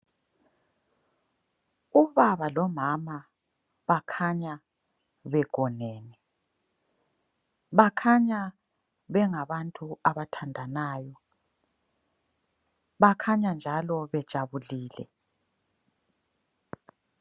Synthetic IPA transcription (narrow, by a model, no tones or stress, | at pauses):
uβaβalɔmama | βakʰaɲa | βɛɡ̥ʱɔnɛːnɛ | βakʰaɲa | βɛŋaβantʼuaβatʰandʱanaːjɔ | βakʰaɲand͡ʒʱalɔβɛd̥ʒ̥ʱaβuliːlɛ̰